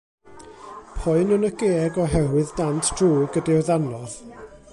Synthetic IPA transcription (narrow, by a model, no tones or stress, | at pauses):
pʰʊɨnənəɡ̥eːɡɔɦɛwɨðdantʰd̥ruːɡədiwðanlɔð̥